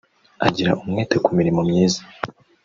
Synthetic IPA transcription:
a̰ɟiɾa̰ʔumŋeːtekumiɾimomɲiːzḁ

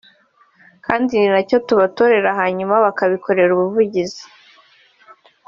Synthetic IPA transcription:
kaːndininaco̞tuβatoɾe̞ɾaɦaɲumaβakaβikʰo̞ɾe̞ɾuβuvuɟizi̥

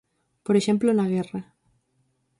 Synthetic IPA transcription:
poɾeʃẽmplonaɣera

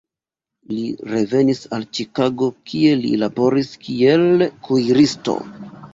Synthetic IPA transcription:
liɾe̞ve̞nisalt͡ʃikaɡo̞kʰie̞lḭlabo̞ɾiskie̞lkʰujɾisto̞̰

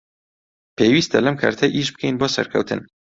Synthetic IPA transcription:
pʰeːwiːst̪ʰɐlɐmkʰa̰ːɾt̪ʰɐʔiʃbɨ̥kʰejnboːsɐ̰ɾkʰɐ̰wt̪ʰɨ̰n

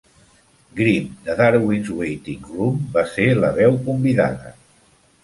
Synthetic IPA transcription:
ɡɾimd̪əðaɾwinzwejt̪iŋrumbaseləβɛwkumbiða̰ðə̰

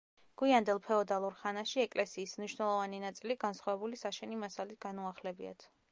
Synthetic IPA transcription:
ɡ̥wiand̪ɛlˠpʰɛɔd̪alˠuɾχanaʃiɛkʼlɛsiːsmniʃwnɛlˠɔvaninat̪sʼiliɡansχwavɛbulisaʃɛnimasalit̪ʰɡ̥anuaχlɛbia̰t̪ʰ

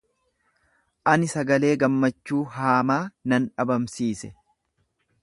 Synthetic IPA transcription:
ʔɐnɪsɐɡɐle̞ːɡɐmːɐt͡ʃːuːɦaːmaːnɐnᶑɐbɐmsiːsɛ

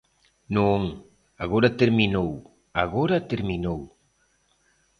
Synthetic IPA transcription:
nõŋ | aɣoɾat̪eɾminow | aɣoɾat̪eɾminow

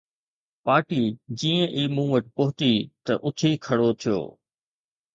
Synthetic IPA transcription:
paːɾʈiːd͡ʑiːə̃ʔiːmũːʋəʈɪpɐɦʊt̪it̪ɐʔʊt̪ʰikʰɐɽot̪ʰijo̰ː

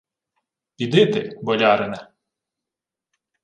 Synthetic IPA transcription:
pʲid̪ɪt̪ebɔlʲɑɾɪnɛ

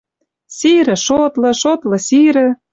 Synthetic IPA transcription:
siɾɘ̆ʃot̪lɤ̆ʃot̪lɤ̆siɾɘ̆

